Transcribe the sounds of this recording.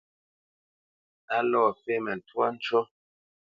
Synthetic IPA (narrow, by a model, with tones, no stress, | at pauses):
a˦lɔː˦˨fe˦mɛ˨n˨twa˦n̩˦t͡ʃɔ˦